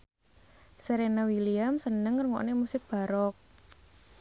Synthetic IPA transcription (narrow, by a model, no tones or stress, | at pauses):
seɾenawiliamsənəŋːərŋɔ̰ʔnemusɪk̚b̥a̤ɾɔk̚